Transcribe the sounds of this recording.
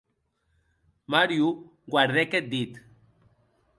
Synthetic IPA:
maɾju | ɡwaɾðeket̪̚d̪it̪

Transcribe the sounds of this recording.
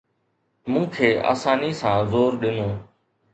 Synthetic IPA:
mũːkʰeːʔa̰ːsãːniːsãːzoːɾɗɪnõː

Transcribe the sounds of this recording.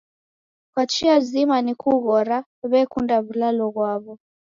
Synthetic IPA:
kwat͡ʃiazimanikuɣɔɾa | βɛkundaβulalɔɣwaβɔ

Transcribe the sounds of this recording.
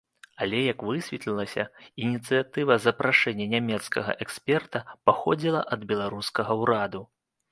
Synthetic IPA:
alʲɛjɐkvɨsʲvʲɛt̪lʲilˠɐsʲɐinʲit̪sɨjat̪ɨvɐzɐpɾʔaʂɛnʲːɐnʲamʲɛt̪skɐɣɐ̰ʔɛksʲpʲɛrt̪ɐpaxɔd͡zʲilˠɐʔɐd̪bʲɛlˠaɾuskɐɣɐwɾad̪u

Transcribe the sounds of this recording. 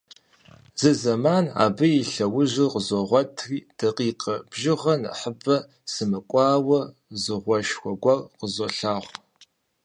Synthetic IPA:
zɨzɐmaːna̰ːbɨiɬɐwʊʑɪqəzɔʁʷɔtʰriːd̥ɐqiːqʼɐbʒɪʁɐn̰ħəbɐ | sɨmɨkʷʼɑːwɐ | zɨʁʷɔʃxʷɔɡʷɐrqəzoɬaːʁʷ

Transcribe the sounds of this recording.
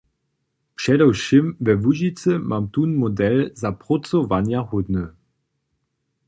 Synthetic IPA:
pʃɛdɔwʃɪmvɛvuʒit͡səmʔamt̪unmodɛlzapʁot͡sovanjahʊd̪nə

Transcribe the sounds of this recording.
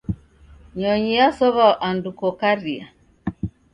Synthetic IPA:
ɲɔɲijasɔβaʔandukɔkaɾia̰

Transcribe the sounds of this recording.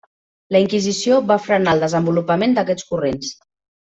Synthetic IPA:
ləiŋkizisioβafɾənalˠd̪əzəmbulupəmend̪əkɛt͡skurens

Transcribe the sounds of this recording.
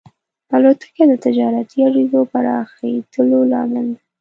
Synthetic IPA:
alot̪ə̥ked̪ət̪ɪd͡ʒɑɾat̪iaɽizopaɾɑ̰xat̪ʰəlolɑ̰ɡəld̪a

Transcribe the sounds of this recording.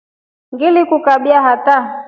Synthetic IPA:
ŋɡilikukaɓiaɦata

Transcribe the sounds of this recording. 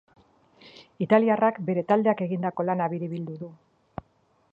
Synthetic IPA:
it̪aliarakbe̞ɾe̞t̪ald̪e̞ake̞ɣind̪ako̞lanaβiɾiβild̪uðu

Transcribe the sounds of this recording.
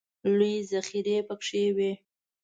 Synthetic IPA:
lujzaxiɾepəkʂewe

